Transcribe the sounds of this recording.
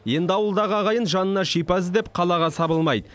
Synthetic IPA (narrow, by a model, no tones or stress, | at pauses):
je̞nd̪ɪɑwəlˠd̪ɑʁəɑʁɑjənʒɑnənɑʃijpɑs̬əzd̪ep̚qʰɑlˠɑʁɑsɑbəlˠmɑjd̪ə